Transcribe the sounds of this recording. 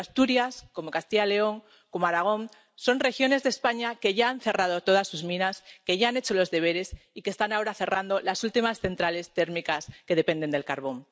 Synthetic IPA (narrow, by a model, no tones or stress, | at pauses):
ast̪uɾjasko̞mo̞kast̪iʝale̞o̞ŋ | ko̞moaɾaɣ̞õ̞ŋ | so̞nrexjo̞ne̞zðe̞spaɲake̞ʝaanθe̞rað̞ot̪o̞ð̞asːuzmĩnaske̞ʝaane̞t͡ʃo̞lo̞zðe̞β̞e̞ɾe̞sikest̪anao̞ɾaθe̞rand̪o̞lasult̪imasθe̞nt̪ɾale̞st̪e̞ɾmikaske̞ð̞e̞pe̞nd̪e̞nd̪e̞lkaɾβ̞o̞ŋ